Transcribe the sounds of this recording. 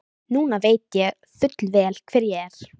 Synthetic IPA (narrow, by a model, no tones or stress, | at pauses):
nuːnaveːjt̪jɛɣ | θʏt̪lvɛːlkʰvɛːɾjɛɛɾ̥